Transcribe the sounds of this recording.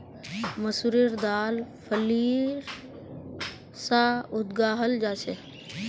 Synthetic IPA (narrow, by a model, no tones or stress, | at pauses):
məsuɾiɾd̪aːlpʰəliːɾ | saʊd̪ɡaːɦəld͡ʒaːseː